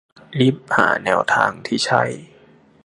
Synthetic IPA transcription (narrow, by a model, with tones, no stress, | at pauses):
li˦˥˩p̚ha̰ː˩˦nɛː˧wt̪ʰaː˧ŋt̪ʰiː˥˩t͡ɕʰa˥˩j